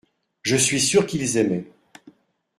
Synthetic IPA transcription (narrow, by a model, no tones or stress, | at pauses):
ʒəsɥisyʁkilzɛmɛ